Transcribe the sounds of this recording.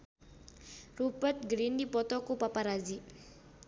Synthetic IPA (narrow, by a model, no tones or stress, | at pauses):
ɾupəʈɡɾinɖipɔt̪ɔkupapaɾad͡ʒi